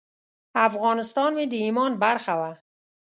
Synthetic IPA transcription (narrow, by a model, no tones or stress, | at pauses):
afɣɔːnɪst̪ɔːnmid̪iiːmɔːnbæɾxawæ